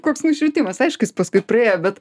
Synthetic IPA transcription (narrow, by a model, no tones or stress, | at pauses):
koːksnʊʃʲʋʲɪt̪ʲiːmɐsɐɪʃkɐspɐskʊɪpɾɐeːjobʲɛt̪